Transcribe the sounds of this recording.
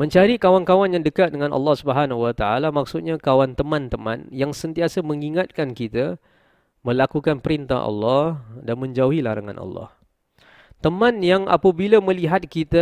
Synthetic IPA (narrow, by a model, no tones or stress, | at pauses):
mə̃ɲt͡ʃaɾikawankawanjaŋdəkat̪̚dəŋãnʔɑ̰lːɔhsubəɦanɦuat̪aalamak̚sut̪̚ɲakawant̪əmãnt̪əmã̰njaŋsənt̪iasaməŋiŋat̪̚kankit̪a | mə̃lakukanpəɾint̪a̰ɦʔɑ̰lːɔdanmə̃ɲd͡ʒauɦilaɾaŋã̰nʔɑ̰lːɔ̰h | t̪əmãnjaŋa̰pabilamə̃liɦat̪̚kit̪a